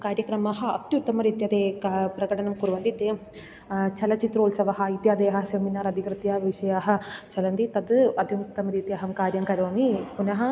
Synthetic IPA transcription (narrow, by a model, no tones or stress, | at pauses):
kaːɾjɐkɾɐmaːɦɐ̆ɐ̰t̪jut̪ːɐmɐɾiːt̪jɐt̪eːkpɾɐkɐʈɐnɐmkuɾʋɐnd̪it̪eːm | t͡ʃʰɐlɐt͡ʃit̪ɾoːlsɐʋɐɦɐ̆it̪jaːd̪eːɦɐseminaːɾɐd̪ʱikɾɨt̪jaːʋiʃɐjaːɦɐ̆t͡ʃʰɐlɐnd̪it̪ɐd̪ɨɐd̪jut̪ːɐmɐɾiːt̪jaːɦɐmkaːɾjɐŋkɐɾoːmipunɐɦɐ̆